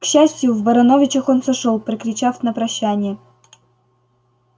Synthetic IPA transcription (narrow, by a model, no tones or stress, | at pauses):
kɕːæsʲtʲjʊvbɐɾɐnovʲɪt͡ɕəxonsɐʂolˠpɾəkɾʲɪt͡ɕafnɐpɾɐɕːænʲɪjə